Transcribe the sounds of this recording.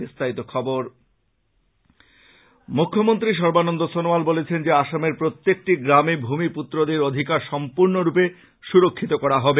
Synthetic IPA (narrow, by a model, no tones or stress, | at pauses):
ist̪ʰait̪okʰɔboɾ | mukʰːomont̪̬ɾiʃ̬ɔɾbanond̪osonoalbolet͡ɕʰend͡ʑeaʃameɾpɾot̪ːek̚ʈiɡɾamebʱumiput̪ːɾod̪eɾod̪ʱikaɾʃɔmpuɾnoɾupe | ʃuɾokʰːit̪okɔɾaɦɔbe